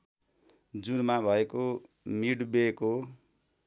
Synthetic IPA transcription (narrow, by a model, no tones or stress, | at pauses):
d͡zuɾmabʱʌeko | miɽbeko